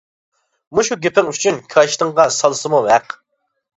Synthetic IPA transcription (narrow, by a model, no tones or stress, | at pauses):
muʃuɡʲepʰɪŋyt͡ʃʰynkʲʰɑʃt̪əŋʁɑsɑlˠsɨmuvæq